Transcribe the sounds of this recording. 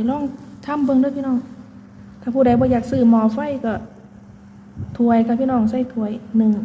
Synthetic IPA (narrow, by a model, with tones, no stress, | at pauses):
jlɔː˧˥˩ŋt̪ʰa˧˥˨mbɤ˧ŋdɯ˧˥˨pʰiː˧˨nɔː˧˥˩ŋ | t̪ʰaː˧˩pʰuː˧˩ɾa˨˩jbɔː˧˦jaː˨˩k̚sɯː˧˩mɔː˧˦fa˧˥˨jkɔ˧˩ | t̪ʰu˧˩əjka˧˩pʰi˧˨nɔː˧˩˨ŋsa˧˩jt̪ʰu˧˩əjnɯ˧˩ŋ